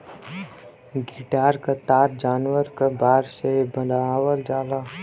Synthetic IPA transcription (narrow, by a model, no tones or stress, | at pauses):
ɡiʈaːɾkat̪aːɾd͡ʒaːnwəɾkabaːɾsebə̃d̪awəld͡ʒaːlaː